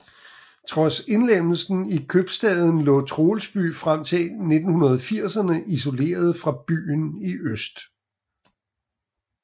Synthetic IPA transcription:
t͡sʰʁɒ̽se̝nlem̰l̩sn̩ikʰøb̥sd̥ɛːð̞ˠn̩lɔ̰̽ːt͡sʰʁo̝ːlsb̥y̰ːfʁam̰t͡sʰe̝ne̝d̥n̩hunɐð̞ˠfiɐ̰sɐnəʔis̬o̝le̝̰ːɐð̞̩ˠfʁɑ̈b̥y̰ːniʔøsd̥

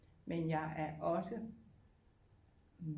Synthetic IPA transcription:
menjɑ̈ɪʔæɐʔɒ̽sə | ʋ

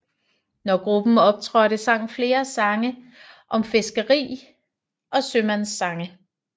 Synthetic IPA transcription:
nɒɡ̥ʁub̥n̩ɒ̽b̥̚t͡sʰʁɶːɾ̥e̝sɑ̈ŋ̰n̩fle̝ːɐsɑ̈ŋə | ʔɒ̽mfe̝sɡ̥əʁḭː | ʔɒ̽sømænsːɑ̈ŋə

